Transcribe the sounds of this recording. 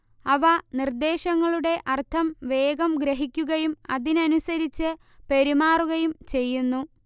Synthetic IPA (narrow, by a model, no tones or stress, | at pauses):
ɐʋɐnird̪e̞ːɕɐŋːɐɭuɽe̞ʔɐrt̪ʰɐmʋe̞ːɡɐmɡɾeɦikʲːuɣɐjumɐ̰ðinɐnusɐɾit͡ɕːɨ | peɾimaːruɣɐjumt͡ɕe̞jːunːu